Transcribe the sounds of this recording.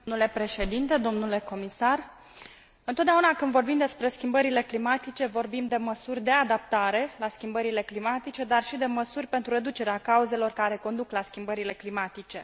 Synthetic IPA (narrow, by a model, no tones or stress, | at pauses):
mnule̞pɾe̞ʃe̞d̪int̪e̞d̪o̞mnule̞ko̞misar | ɨnot̪d̪eaunakɨnd̪vo̞rbimd̪e̞spɾe̞skʲimbəɾile̞klimat̪it͡ʃe̞vo̞rbimd̪e̞məsurʲd̪e̞ad̪ap̚t̪aɾe̞laskʲimbəɾile̞klimat̪it͡ʃe̞d̪arʃid̪e̞məsurʲpent̪ɾure̞d̪ut͡ʃe̞ɾeakauze̞lo̞rkaɾe̞ko̞nd̪uklaskʲimbəɾile̞klimat̪it͡ʃe̞